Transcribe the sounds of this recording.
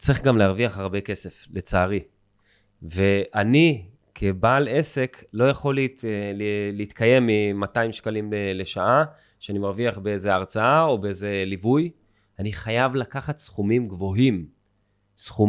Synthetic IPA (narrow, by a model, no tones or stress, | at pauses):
t͡sʁiχɡamleaʁviaχaʁbe̞ke̞se̞fle̞t͡saːʁi | ve̞ʔani | kʰebaːle̞se̞kʰlo̞jaχo̞lileliit̪kʰaje̞mːimataimʃkalimele̞ʃaa | ʃeanimaʁviaχbeezeaʁt͡saao̞beeze̞livuj | aniχajavlakaχat̪sχumimɡvo̞ɦim | sχu